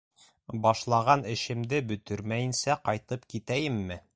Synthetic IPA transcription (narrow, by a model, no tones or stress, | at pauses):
bɒʃlˠɑʁɑnɘ̆ɕɘ̆md̪ɘbɵ̆t̪ɵɾmæjɘ̆nsæqɒjt̪ɤpkit̪æjɘmːɘ